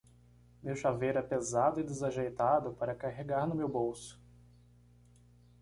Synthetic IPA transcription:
mewʃavejɾɛpezad̪ʊɪd̪ezaʒejt̪ad̪ʊpaɾɐkaɦeɡaɾnʊmewbowsʊ̥

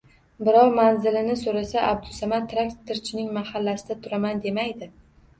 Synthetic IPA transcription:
bɪɾɒɾmanzɪlɪnɪsoɾasaʔab̚d̪ʊsamat̪ʰːɾakt̪ʰːɪɾt͡ʃʰɪnɪŋmahalːasɪd̪at̪ʰʊɾamand̪e̞majd̪ɪ

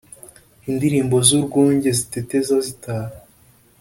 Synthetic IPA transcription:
indiɾiːmbo̞zuɾɡuːɲɟe̞zitete̞zazitaːɾa

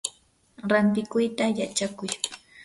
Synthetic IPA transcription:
ɾant̪ɪkʊjt̪ajat͡ʃakʊj

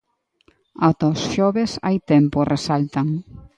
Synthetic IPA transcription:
at̪osʃɔβesa̰jt̪emporesalt̪aŋ

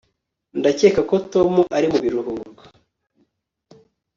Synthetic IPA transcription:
ndace̞ːkako̞to̞muʔaɾimuβiɾuhuɾɡḁ

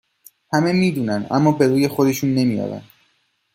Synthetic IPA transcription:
hæme̞miːd̪uːnænd̪ʔæ̰mːɒːbe̞ɾuːje̞xo̞d̪e̞ʃuːnːe̞mijɒ̰ːɾæ̰nd̪

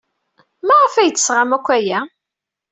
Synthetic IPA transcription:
mæʁəfæjət͡sːə̥sʁamækʷːæjæ

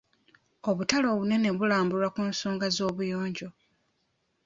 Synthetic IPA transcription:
o̞βutalo̞ːβune̞neβulaːmbulakuːnsoːŋɡazo̞ːβujo̞ːɲɟo̞

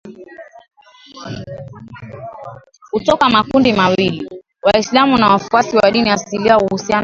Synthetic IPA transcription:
hutɔkamakundimawili | waislamunawafuasiwaɗiniasiliauhusian

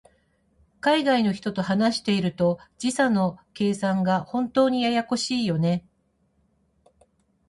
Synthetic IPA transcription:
kaiɡaino̞çi̥t̪o̞t̪o̞ɦanaɕi̥t̪e̞iɾɯ̟t̪o̞d͡ʑisano̞ke̞ːsãŋɡahõ̞nt̪o̞ːɲ̟ijajako̞ɕiːjo̞ne̞

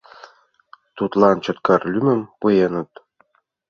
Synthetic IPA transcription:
t̪ut̪lˠɑnt͡ɕɤ̆t̪kɑrlʲymɘ̆mpɯjenɤ̆t̪

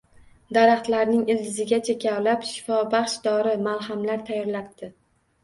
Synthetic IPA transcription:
d̪aɾaχt̪laɾnɪŋɪld̪ɪzɪɡʲat͡ʃʰe̞kʲʰawlapʃɪ̥fɒbɑχʃd̪ɒɾɪmalˠɦamlaɾt̪ʰajːɒɾlap̚d̪ɪ

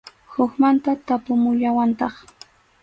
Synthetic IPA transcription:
hʊxmant̪at̪apʊmʊʎawant̪ɑχ

